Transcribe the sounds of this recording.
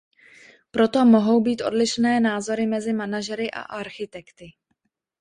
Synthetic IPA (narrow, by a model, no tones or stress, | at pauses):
pɾo̞t̪o̞mo̞ɦo̞wbiːt̪ʔo̞̰dlɪʃnɛːnaːzo̞ɾɪmɛzɪmanaʒɛɾɪʔa̰ʔaɾxɪt̪ɛkt̪ɪ